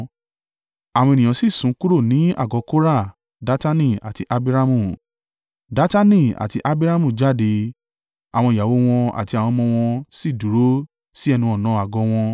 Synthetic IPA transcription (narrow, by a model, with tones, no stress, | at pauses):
a˨w̃ɔ̃˧e˨nĩ˨ã˨si˦˨sũ˨˦ku˦ɾo˦˨nĩ˨˦a̰˦˨ɡɔ˨˧˦ko˦ɾa˦˨ | da˨˦ta˦nĩ˦˨a̰˨ti˧ʔa˧bi˦ɾa˦mũ˦˨ | da˨˦ta˦nĩ˦˨a̰˨ti˧ʔa˧bi˦ɾa˦mũ˦˨d͡ʒa˦˨de˧ | a˨w̃ɔ̃˧i˨ja˨wo˦w̃ɔ̃˧a̰˨ti˧a˨w̃ɔ̃˧mɔ̃˧w̃ɔ̃˧si˦˨du˨˦ɾo˦ | si˦ɛ˦˧nũ˧ɔ˨nãː˨˦a˨ɡɔ˧w̃ɔ̃˧